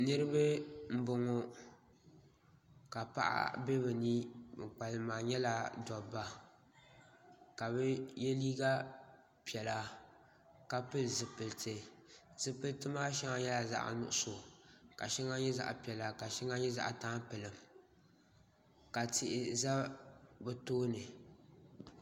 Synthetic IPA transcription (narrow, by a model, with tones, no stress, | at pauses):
nɨ˦ɾɨ˦bɨ˦m̩˦bʊ˨ŋo˨ | ka˨pa̰˦ʔa̰˦bɛ˦bɨ˨ni˦˨k͡pa˨lɨ˨maː˨ɲɛ˦la˨dɔ˨ba˨ | ka˨bɨ˦jɛ˦liː˦ɡa˦ | pi˨ɛ˨la˨ | ka˨pɨ˦lzɨ˨pɨ˨ltʰɨ˨z̥ɨ˨pɨ˨ltɨ˦maː˦ʃɛ˦ŋa˨ɲɛ˦la˨za̰˨ʔnʊ̰˦ʔʊ˦˨so˨ka˨ʃɛ˦ŋa˦ɲɛ˦za̰˨ʔa˨pi˨ɛ˨la˨ka˨ʃɛ˦ŋa˦ɲɛ˦za̰˦ʔa˨taː˦pɨ˨lɨ˨m | ka˨tɪ˨ʔɪ˨za˦bɨ˨toː˦nɨ˨